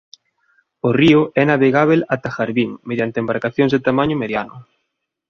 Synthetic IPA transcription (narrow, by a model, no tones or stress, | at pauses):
ʊriʊɛnaβeɣaβ̞elat̪axaɾβiŋmeðjant̪embaɾkaθjõŋzðet̪amaɲʊmeðjanʊ̰